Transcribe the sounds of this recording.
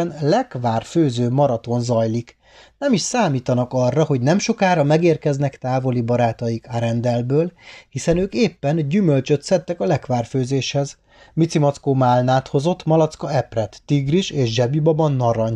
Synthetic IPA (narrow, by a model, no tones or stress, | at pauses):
nlɛkʋaːrføːzøːmɒɾɒt̪o̞nzɒjlik | nɛmiʃsaːmiːt̪ɒnɒkɒrːɒho̞ɟnɛmʃo̞kaːɾɒmɛɡeːrkɛznɛkt̪aːvo̞libɒɾaːt̪ɒjikaɾɛnd̪ɛlbøːlhisɛnøːkeːpːɛnɟymølt͡ʃø̞t̪sɛt̪ːɛkɒlɛkʋaːrføːzeːʃhɛz | mit̪simɒt̪skoːmaːlnaːt̪ho̞zo̞t̪ːmɒlɒt̪skɒɛprɛt̪ːiɡriʃeːʃʒɛbibɒbɒnːɒɾɒɲ